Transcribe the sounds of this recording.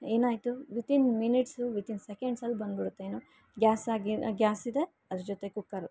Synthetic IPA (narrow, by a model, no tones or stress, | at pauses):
eːnaːjt̪uʋit̪inminiʈsuʋit̪insekeɳɖsɐlːubɐnd̪biɽut̪ːeeːnuː | ɡjaːsaːɡiɡjaːsid̪e̞ | ɐd̪ɾud͡ʒot̪ekukːɐɾ